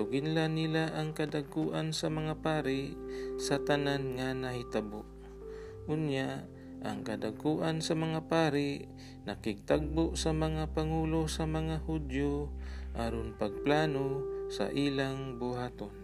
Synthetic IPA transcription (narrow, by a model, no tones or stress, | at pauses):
sʊɡɪnlanɪlaʔɐŋkɐd̪aɡ̚kuʔansɐmɐŋapaːɾɪsɐt̪ɐnanŋanɐhɪt̪aboʔ | ʔʊnjaʔ | ʔɐ̰ŋkɐd̪aɡkuʔansɐmɐŋapaːɾɪ | nɐkɪɡ̚t̪aɡ̚boʔsɐmɐŋapaŋuːlosɐmɐŋahud̪joʔaɾonpɐɡ̚plaːnosa̰ʔilaŋbʊɦaːt̪on